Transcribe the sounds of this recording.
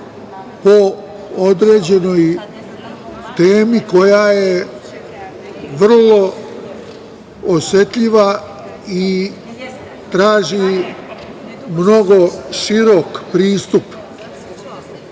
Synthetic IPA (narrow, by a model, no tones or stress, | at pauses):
po̞ | od̪ɾe̞ːd͡ʑe̞no̞j | t̪eːmiko̞jaje | ʋr̩lo̞ | osje̞t̪ʎiʋa | i | t̪ɾaːʒi | mno̞ɡo̞ʃiɾokpɾiːst̪up